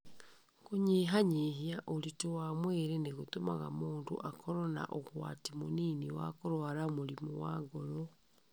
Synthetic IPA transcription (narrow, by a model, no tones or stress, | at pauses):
koɲeːɦaɲeɦiaʔoɾitowaːmweɾeneɣotomaɣa̰moːndo̰ʔakɔɾɔna̰ʔoɣwa̰timoniːniwa̰koɾwaɾamoɾimɔ̰waɡɔɾɔ